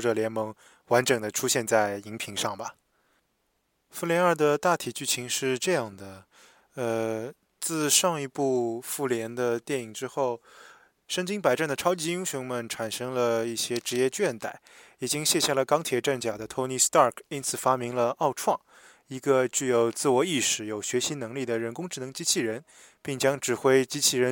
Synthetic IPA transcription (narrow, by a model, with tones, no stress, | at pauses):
ʈ͡ʂə˨˩ljɛ˧˥nmɤ˧˥ŋ | wa˧˥nʈ͡ʂɤ˨˩ŋd̪ə˦ʈ͡ʂʰu˥ɕjɛ˥˧nt͡sa˥˩ɪi˧˥ŋpʰi˧˥ŋʂɑ˥˩ŋbɐ˩ | fu˥˩ljɛ˧˥nə˞˥˧d̪ə˩t̪a˥˩t̪ʰi˨˩t͡ɕy˥˩t͡ɕʰi˧˥ŋʂɻ̩˥˧ʈ͡ʂɤ˥˧jɑ˥˩ŋd̪ə˩ | ə˧ | t͡sɹ̩˥˧ʂɑ˥˧˩ŋi˧˥pu˥˧fu˥˩ljɛ˧˥nd̪ə˧t̪jɛ˥˩ni˨˩ŋʈ͡ʂɻ̩˥xo˥˩ʊ | ʂə˥˧ŋt͡ɕi˥ŋpa˨˩ɪʈ͡ʂa˥˩nd̪ə˩ʈ͡ʂʰɑ˥ʊt͡ɕi˧˥i˥ŋɕʊ˧˥ŋmə˨nʈ͡ʂʰa˨˩nʂɤ˥ŋlə˧i˥˩ɕjɛ˥ʈ͡ʂɻ̩˧˥jɛ˥˧t͡ɕɥɛ˥˩nt̪a˨˩˦ɪi˨˩t͡ɕi˥ŋɕjɛ˥˧ɕja˥˩lə˩kɑ˥ŋt̪ʰjɛ˨˥ʈ͡ʂa˥˩nt͡ɕja˨˩d̪ə˦t̪ʰo˥ʊni˧˥st̪ɑ˥˩kʰi˥nt͡sʰɹ̩˨˩fa˥mi˧˥ŋlə˧ɑ˥˧ʊʈ͡ʂʰwɑ˥˩ŋ | i˧˥ɡə˧t͡ɕy˥˩jo˨˩ʊt͡sɹ̩˥˩wɔ˧˥i˥˩ʂɻ̩˧˥jo˨˩ʊɕɥɛ˧˥ɕi˧˥nɤ˧˥ŋli˥˩d̪ə˩ɻə˧˥nkʊ˥ŋʈ͡ʂɻ̩˥˩nɤ˧˥ŋt͡ɕi˥t͡ɕʰi˥˩ɻə˧˥n | pi˥˩ŋt͡ɕjɑ˥ŋʈ͡ʂɻ̩˨˩xwe˥ɪt͡ɕi˥t͡ɕʰi˥˩ɻə˧˥